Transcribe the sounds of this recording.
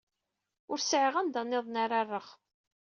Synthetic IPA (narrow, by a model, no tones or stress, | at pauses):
ʊɾsʕəʁænd̪ɑnːeðˤnaɾarˤːəχ